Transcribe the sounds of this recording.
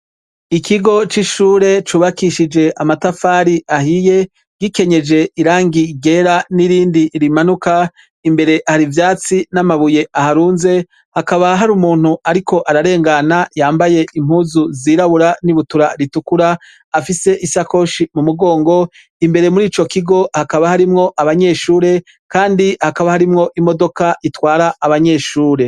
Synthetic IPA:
ikiɡo̞t͡ʃiʃuːɾe̞t͡ʃuːβakiʃid͡ʒe̞ʔamatafaːɾiʔahije̞ | ɡike̞ɲe̞d͡ʒe̞iɾaːŋɡiɡe̞ɾaniɾiːndiɾimanuka | imbe̞ɾe̞ʔhaɾivjaːt͡sinamaβuje̞ʔahaɾuːnze̞ | hakaβaɦaɾumuːn̥huaɾikʰo̞ʔaɾaɾe̞ːŋɡanajaːmbaje̞ʔim̥huːzuziːɾaβuɾaniβutuɾaɾitukuɾaː | fise̞ʔisako̞ːʃimumuɡo̞ːŋɡo̞ | imbe̞ɾe̞muɾiːt͡ʃo̞kiɡo̞hakaβahaɾimŋo̞ʔaβaɲe̞ːʃuːɾe̞ | kaːndihakaβahaɾimŋo̞ʔimo̞do̞kaitwaːɾaːβaɲe̞ːʃuːɾe̞

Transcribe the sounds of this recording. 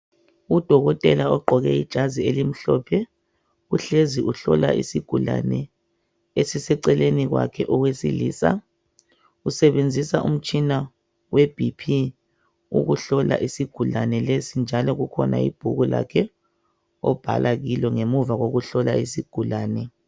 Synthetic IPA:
ud̥ʱɔɣɔtʼɛlaɔɡ͡ǃʱɔɣɛid̥ʒ̥ʱazielim̩ɬɔpʰɛ | uɬeziʔuɬɔ̰la̰ʔḭsiɡ̥ʱula̰nɛ | esisɛǀɛleniɣwa̰kʰɛʔɔɣwesiliːsa | usɛβend͡zʱisaʔum̩t͡ʃʼina | web̥ʱipʰi | ṵɣuɬɔla̰ʔisiɡ̥ʱulanɛlesind͡ʒʱalɔɣukʰɔna̰ḭb̥ʱuɣula̰kʰɛ | ɔb̥ʱa̰lʔaɣilɔŋemuvaɣoɣuɬɔlaisiɡ̥ʱulaːnɛ

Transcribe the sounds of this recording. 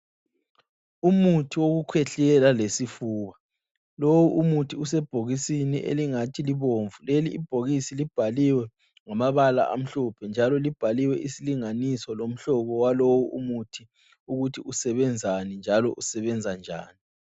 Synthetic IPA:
umutʰiwoɣukʰwɛɬɛlalesifuːβa | lowuʔumutʰiusɛb̥ʱoɣisinḭʔḛliŋatʰiliβoɱvuleliḭb̥ʱoɣisilib̥ʱaliwɛ | ŋamaβala̰ʔa̰m̩ɬɔpʰɛnd͡ʒʱalɔlib̥ʱaliwɛʔisiliŋanisɔlom̩ɬɔɣɔwalowuṵmutʰi | uɣutʰiusɛβɛnd͡zʱanind͡ʒʱalɔ̰ʔusɛβɛnd͡zʱand͡ʒʱa̰ːni

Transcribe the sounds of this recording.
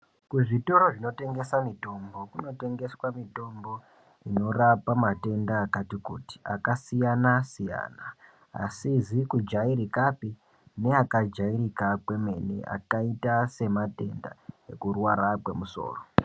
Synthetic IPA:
kuʐito̞ɾo̞ʐino̞te̞ŋɡe̞samito̞mbokuno̞te̞ŋɡe̞swamito̞mbo̞ | ino̞rapamate̞ndaːkatikuti̥a̰kasijanasija̰ːna̰ː | sizikud͡ʒaiɾikapi | ne̞akad͡ʒaiɾikakwe̞me̞nḭa̰kaitase̞mate̞nda̰e̞kurwaɾakwe̞muso̞̰ːro

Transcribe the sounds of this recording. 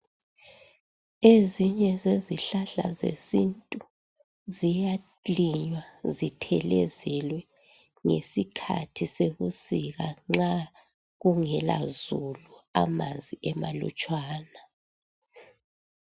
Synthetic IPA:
eziɲɛzeziɬaɬa̰zḛsintʼu | zija | liɲwazitʰɛlɛzɛlwɛ | ŋḛsikʰa̰tʰiseɣusiɣaŋ͡ǁa | ɣuŋɛla̰zulua̰mand͡zʱiʔɛma̰lṵt͡ʃʼwaːna

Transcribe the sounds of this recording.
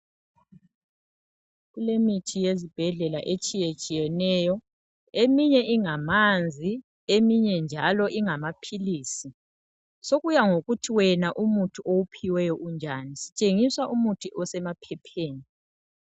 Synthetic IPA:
ɣulemitʰijezib̥ʱɛɮɛlaʔet͡ʃʼijet͡ʃʼijɛnɛːjɔ | emiɲɛʔiŋamand͡zʱi | emiɲɛnd͡ʒʱalɔʔiŋamapʰiliːsi | soɣujaŋoɣutʰiwɛnaʔumutʰuʔowupʰiwɛjɔʔund͡ʒʱanisi̥t͡ʃʼeŋiswaʔumutʰuʔɔsɛmapʰɛpʰeːni

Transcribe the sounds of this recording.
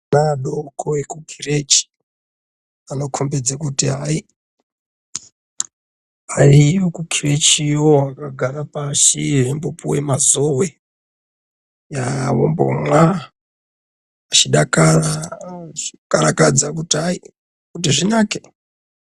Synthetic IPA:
naɗokʰoekukʰiret͡ʃi̥ | ano̞kʰombed͡zakutiɦai | ariokukʰire̞t͡ʃioakaɡʱarapaʃiembopuwḛmazowe | jawo̰mbo̰mwa | at͡ʃiɗakara | ikaɾakad͡zakutiai | kutiʐinaːke

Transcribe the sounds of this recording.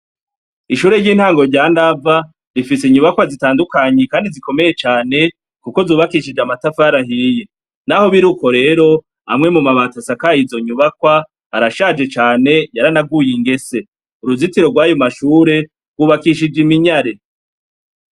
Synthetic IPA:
iʃuːɾe̞ɾɟiːn̥haːŋɡo̞ɾɟaːndava | ɾifiseiɲuβakwazitaːndukaɲe̞kaːndiziko̞me̞je̞t͡ʃaːne̞ | kuko̞zuːβakiʃid͡ʒamatafaaɾaɦije | naho̞βiɾuːko̞ɾe̞ːɾo̞ | a̰mŋe̞mumaβatasakajizo̞ɲuβakwaː | ɾaʃad͡ʒe̞t͡ʃaːne̞jaɾanaɡujiŋɡe̞se̞ | uɾuzitiɾo̞ɡwaːjomaʃuːɾe̞ | ɡwuːβakiʃid͡ʒimiɲaɾe̞

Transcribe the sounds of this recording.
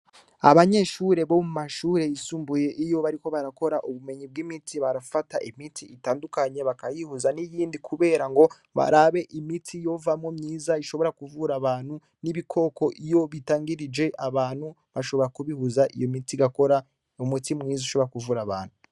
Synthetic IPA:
aβaɲe̞ʃuɾe̞βo̞mumaʃuːɾe̞isuːmbuje̞ʔijo̞βaɾiko̞βaɾako̞ɾaʔuβume̞ɲib̚ɡimitiβaɾafataʔimitiitaːndukaɲe̞βakajihuzanijiːndikʰuβe̞ːɾaŋɡo̞ | βa̰ɾaβe̞ʔimitʰijo̞vamŋo̞mɲiːzaiʃo̞βo̞ɾakuvuɾaβaːn̥hu | niβikʰo̞ːko̞ʔijo̞βitaːŋɡiɾid͡ʒe̞ʔaβaːn̥hu | βaʃo̞βo̞ɾakuβihuzaʔḭjo̞mitiɡako̞ɾa | umutimŋiːzaiʃo̞βɾakuvuɾaβa̰ːnhu

